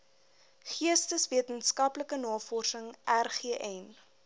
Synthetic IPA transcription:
χiəstəsviətənskɐpləkənɑːfɔrsəŋʔærχiəʔɛn

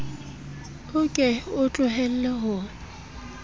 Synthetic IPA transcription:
ʊkʼɛʊt͡ɬʼʊɦɛl̩lɛɦʊː

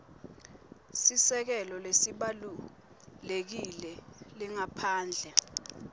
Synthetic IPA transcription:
sisɛk̬ɛlɔlesiɓalu | lek̬ilɛliŋapʰaːnd͡ɮʱɛ

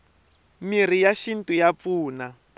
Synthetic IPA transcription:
mir̤ijaʃin̩tujap̪fuːna

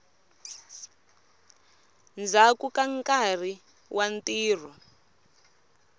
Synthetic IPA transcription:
nd͡zakukaŋkar̤i | wʔantiːr̤ɔ

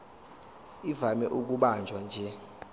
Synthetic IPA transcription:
ivamɛʔuk̬uɓand͡ʒʱwand͡ʒʱɛ

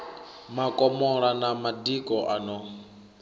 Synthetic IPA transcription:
makʼɔmɔɺanamadikʼɔʔanɔ

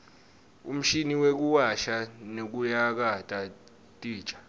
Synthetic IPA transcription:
ṵm̩ʃiniwek̬uwaʃanek̬ujak̬atʼa | tʼi̥ːt͡ʃʼḁ

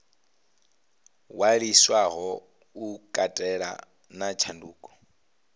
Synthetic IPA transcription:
waɺiswaɣɔ | ukʼatʼɛɺa̰ | nat͡ʃʰanduːkʼɔ̥

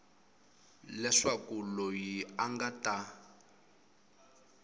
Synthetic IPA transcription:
lɛʂakulɔjiaŋɡata

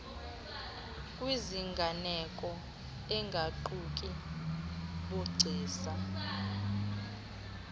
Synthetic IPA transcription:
kʼwiziŋɡʱanɛkʼɔ | ɛŋɡʱaǃuk̬ʼi | ɓuɡ͡ǀʱiːsa

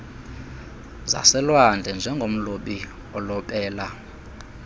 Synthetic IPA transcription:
za̰sɛlwand͡ɮʱɛnd͡ʒʱɛŋɡʱom̩loɓi | ɔlɔɓɛːla

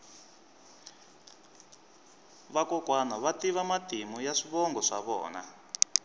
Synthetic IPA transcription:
βakɔkwanɔβatiβamatimujaʂiβɔŋɡɔʂa̰βɔ̰ːna̰

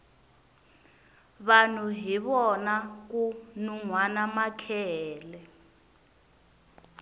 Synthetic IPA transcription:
βan̤uɦiβɔnak̬unuŋwanamakʰɛɛːlɛ

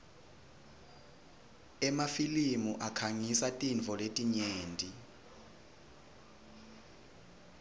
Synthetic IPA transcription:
ɛmafilimuʔakʰaŋisatʼint͡fɔletʼiɲeːntʼi

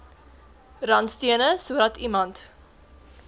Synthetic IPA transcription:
rɐnstiənəsuəɾɐtimɐnt

